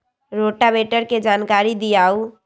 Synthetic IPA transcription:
ɾoʈabeʈəɾked͡ʒaːnkaːɾid̪ijaːu

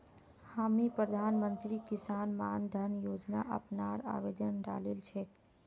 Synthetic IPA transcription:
haːmipɾəd̪ʱaːnmənt̪ɾikɪsaːnmaːnd̪ʱənjoːd͡ʒna̰ʔəpnaɾa̰ːʋeːd̪ənɖa̰ːlelt͡ʃʰe

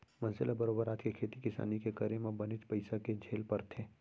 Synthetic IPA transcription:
mɐ̃nzɪlabɐɾoːbəɾaːt̪ʰkekʰeːt̪ikɪsa̰ːnikekɐɾemabɐnɪt͡ʃpɐɪsaked͡ʒʱeːlpɐɾt̪ʰẽː

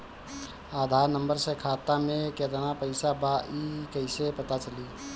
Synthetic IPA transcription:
ad̪ʱaɾnəmbəɾsẽkʰat̪ameket̪ənapəɪsabaʔikəɪsepət̪at͡ʃəli

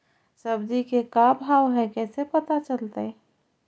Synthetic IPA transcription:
səbd̪ikekabʱawɦɛkɛːsepət̪at͡ʃəlt̪e

